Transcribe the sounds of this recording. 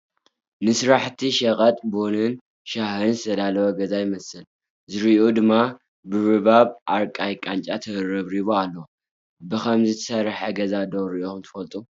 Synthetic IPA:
nɨsɾaħt̪ʰiʃɐkʼɐt̪ʼbonɨn | ʃahɨnzɨt̪ʰɐd̪alɐwɐɡɐzajɪmɐsɨl | zɨɾiod̪ɨmːa | bɨβɨβaβʔaɾkʼajkʼant͡ʃʼat̪ʰɐɨɾɐβɾiβoalːɐw | bɨkʰɐmzɨt̪ʰɐ̥sɐɾħɐɡɐzad̪owɾiʔoumt̪ʰɨ̥fɐlt̪ʼu

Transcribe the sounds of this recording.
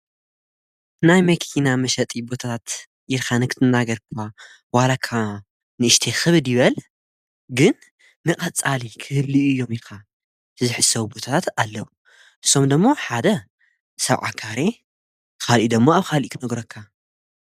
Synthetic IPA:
najmɐkʰinamɐʃɐt̪ʼibo̞t̪ʰat̪ʰat̪ | ʔiɾkʰanɨkʰɨt̪ʰɨnːaɡɐɾkʰa | walakʰa | nɨʔɨʃt̪ʰexɨβɨd̪jɪβɐl | ɡɨnː | ɨqʼɐt͡sʼalikʰɨhɨlːiʔɨjːo̞miɾka | ɨzɨħɨsɐwubo̞t̪ʰat̪ʰat̪alːɐwu | ʔɨ̥sːo̞md̪ɨmːo̞ħad̪ɐ | sɐβʕa̰kʰaɾe̞ | kʰalʔid̪ɨmːoaβxʰalʔikʰɨnɐɡɾɐkʰːa

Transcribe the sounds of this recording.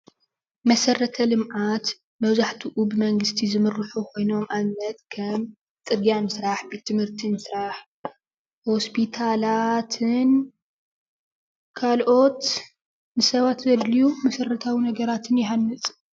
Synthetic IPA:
mɐsɐɾɐt̪ʰɐlɨmʔat̪ | mɐβzaħt̪ʰuʔubɨmɐŋɡɨst̪ʰizɨmɨrːɨħukʰo̞jno̞mʔamːɐt̪kʰɐm | t̪ʼɨɡjamɨsɾaħbet̪ʰːɨmhɨɾt̪ʰimɨsɾaħ | ho̞spʰit̪ʰalat̪ʰɨn | kʰalʔo̞t̪ | nɨsɐβat̪zɐd̪lijumɐsɐɾɐt̪ʰawinɐɡɐɾat̪ʰɨnjɪħanːɨt͡sʼ

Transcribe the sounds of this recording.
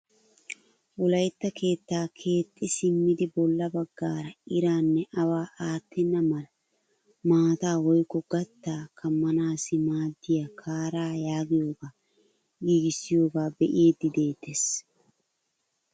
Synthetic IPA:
wʊlɐjt̪ːɐkʰe̞ːt̪ːaːkʰe̞ːt̪ʼːɪsɪmːɪd̪ɪbɔlːɐbɐɡːaːɾɐɪɾaːnːɛʔɐwaːʔaːt̪ːɪnːɐmɐlɐ | maːt̪aːwɔjkːɔɡɐt̪ːaːkʰɐmːɐnaːsɪmaːd̪ːɪjakʰaːɾaːjaːɡɪjoːɡaː | ɡiːɡɪsɪjo̞ːɡaːbɛʔjeːd̪ːɪd̪e̞ːt̪ːes

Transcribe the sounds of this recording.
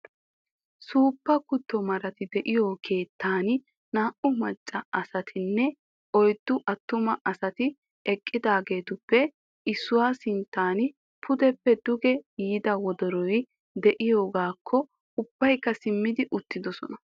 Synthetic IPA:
suːpːɐkʊt̪ːɔmɐɾɐt̪ɪd̪ɛʔɪjoːkʰe̞ːt̪ʰːaːnɪ | naːʔʊmɐt͡ʃʼːɐɐsɐt̪ʰɪnːɛ | ɔjd̪̥ːʊʔɐt̪ːʊmɐʔɐsɐt̪ɪ | ɛkʼːɪd̪aːɡe̞ːt̪ʊpːɛ | ɪsːʊwaːsɪnt̪ːaːn | pʰʊd̪ɛpːɛd̪ʊɡɛjiːd̪ɐwɔd̪ɔɾɔj | d̪ɛʔɪjo̞ːɡaːkʰːɔ | ʊb̥ːɐjkːɐsɪmːɪd̪ɪʔʊt̪ːɪd̪ɔsɔ̰nɐ

